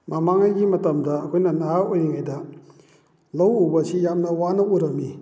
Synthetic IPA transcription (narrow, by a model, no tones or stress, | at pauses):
mamaŋajɡimɐtɐmdɐɐkʰojnɐnaɦaojniŋajdɐ | lɐwubɐsijamnɐwanɐuɾɐmːi